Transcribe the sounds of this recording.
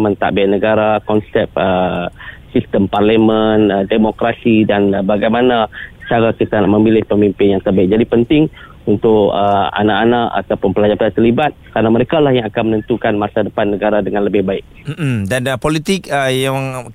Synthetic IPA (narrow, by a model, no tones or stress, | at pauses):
mə̃nt̪a̰ʔbaaʔnəɡaɾakɔnsɛp̚ə | sist̪əmparləmənədemokɾasidanbaɡajmanat͡ʃaɾakit̪anaʔmə̃milɪhpəmimpɪnjaŋt̪ərbaɪk̚d͡ʒadipənt̪ɪŋ | unt̪ʊʔəa̰naʔanaʔa̰t̪awpʊnpəlad͡ʒapaat̪ərlibat̪̚kəɾanaməɾekalahjaŋakanmənə̃nt̪ukanmasadəpanːəɡaɾadəŋãnləbɪhbaɪk̚m̩m̩danpolit̪ɪk̚əjaŋ